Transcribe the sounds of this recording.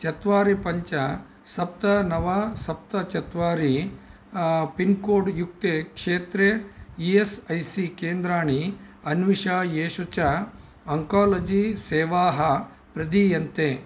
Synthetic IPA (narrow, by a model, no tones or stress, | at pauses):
t͡ʃɐt̪ʋaːɾepɐɲt͡ʃɐ | sɐp̚t̪ɐnɐʋɐsɐp̚t̪ɐt͡ʃɐt̪ʋaːɾi | pinkoːɖjuk̚t̪ekʂeːt̪ɾeiesɐjsikeːnd̪ɾaːɳiɐnʋiʂaːjeːʂut͡ʃɐ | ɐŋkaːlɐd͡ʒiseːʋaːɦɐ | pɾɐd̪ijɐnt̪e